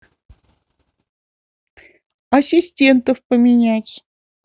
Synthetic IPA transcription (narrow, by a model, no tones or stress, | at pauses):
ɐsʲisʲtʲent̪əfpəmʲinʲætʲ